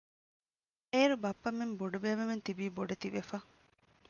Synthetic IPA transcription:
eːɾubɐpːɐmːemboɖubeːʋement̪ibiːboɖet̪iʋefɐ

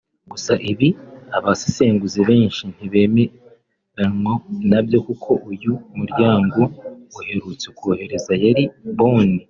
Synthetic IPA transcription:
ɡusaʔiβiaβasi̥se̞ːŋɡuziβe̞ːɲʃin̥iβe̞ːme | ɾanwonabjo̞kukʰo̞ʔujumuɾɟaːŋɡo̞uhe̞ɾut͡sekuohe̞ɾe̞zajaɾiβo̞ːni

